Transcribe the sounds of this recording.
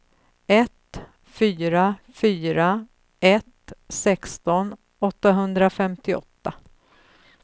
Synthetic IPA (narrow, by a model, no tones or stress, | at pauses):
ɛt̪ | fyːɾafyːɾa | ʔɛt̪sɛkst̪ɔn | ɔt̪ːaɦɵnd̪ɾafɛmt̪ɪɔ̰t̪ːa